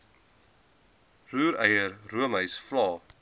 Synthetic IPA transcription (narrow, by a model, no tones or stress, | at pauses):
ruːɾə̰jərruəmɦəjsflɑː